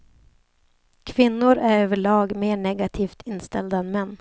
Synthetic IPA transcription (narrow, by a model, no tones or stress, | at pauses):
kʰvɪnːʊɾæɾøːvəɭɑːɡmeːɳɛɡat̪ʰiːft̪ʰɪnst̪ɛld̪aɛnmɛnː